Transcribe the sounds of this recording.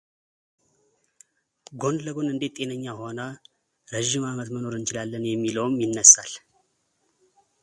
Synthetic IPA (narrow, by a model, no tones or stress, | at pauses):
ɡo̞nləɡo̞nɨnd̪e̞t̪tʼe̞nəɲːaho̞nə | ɾəʒːɪmamət̪məno̞ɾɨnt͡ʃɪlalːənjɛmːiləwmjɪnːəsal